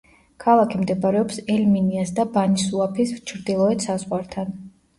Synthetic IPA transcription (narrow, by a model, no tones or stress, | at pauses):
kʰalˠakʰimd̪ɛbaɾɛɔpsɛlminiasd̪abanisuapʰist͡ʃʰɾd̪ilˠɔɛt̪sazʁwaɾt̪ʰan